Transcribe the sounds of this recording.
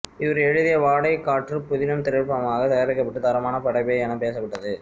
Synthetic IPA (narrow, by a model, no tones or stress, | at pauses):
ɪʋɐɾɛɻɯðɪjɐʋaːɽɐɪkːaːʈrɯpʊðɪnɐmt̪ɪɾɪɻpːɐmaːɣɐt̪ɐjaːɾɪkːɐpːɐʈːɯd̪ɐɾɐmaːnɐpɐɽɐɪpɐjɐɐnɐmpeːsɐpːɐʈːɐðɯ